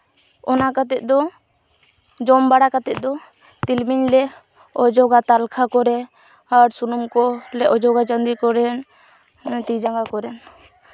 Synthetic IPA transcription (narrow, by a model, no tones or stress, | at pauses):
ɔnakat̪ɛt̪̚ˀd̪ɔ | d͡ʒɔmbaɽakat̪ɛt̪̚ˀd̪ɔ | t̪ilmiɲlɛ | ɔd͡ʒɔɡat̪alkʰakɔɾɛ | aɾsunumkɔlɛʔɔd͡ʒɔɡat͡ʃənd̪ikɔɾɛn | t̪id͡ʒaŋɡakɔɾɛn